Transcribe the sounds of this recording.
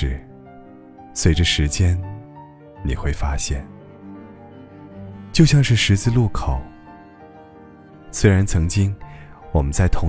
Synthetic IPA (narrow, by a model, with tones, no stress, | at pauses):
ɻ̩˥˩ | swe˧˥ɪʈ͡ʂə˧ʂɻ̩˧˥t͡ɕjɛ˥n | nḭ˨˩xwe˥˩ɪfa˥ɕjɛ˥˩n | t͡ɕjo˥˧ʊɕjɑ˥˧ŋʂɻ̩˥˩ʂɻ̩˧˥t͡sɹ̩˥˧lu˥˩kʰo˨˩˦ʊ | swe˥ɪɻa˧˥nt͡sʰɤ˧˥ŋt͡ɕi˥ŋwɔ˨˩mə˦nt͡sa˥˩ɪt̪ʰʊ˧˥